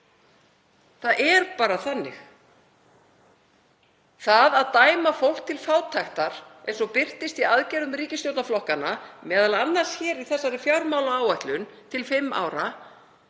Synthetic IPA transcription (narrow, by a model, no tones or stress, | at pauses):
θaðʔɛɾpaːɾaθanːɪ̰x | θaðaðt̪aːjmafowl̥kt̪ʰɪlfaːwt̪ʰajxt̪aɾ̥ejnsɔpɪr̥t̪ɪst̪iaðcɛjɾʏmriːcɪst̪jowt̪naflɔhkanːamɛːðalaanːar̥sçɛːɾiθɛsːaɾɪfjawɾmaːwlaaːwajht̪lʏnt̪ʰɪlfɪmːʔa̰ːwɾa